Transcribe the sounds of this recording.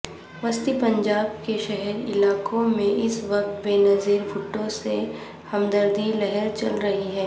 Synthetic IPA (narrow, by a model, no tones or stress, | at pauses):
ʋɐst̪ipɐ̃ɲd͡ʒaːbkeʃɛɦɛɾɪ̰laːkõmẽʔɪsʋɐq̚t̪beːnɐziːɾbʱʊʈːõse | hɐmd̪əɾd̪ʱilɛɦɛɾt͡ʃɐlɾɐɦiɦɛː